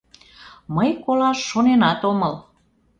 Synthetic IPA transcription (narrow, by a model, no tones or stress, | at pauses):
məjkolɑʃːonenɑt̪oməl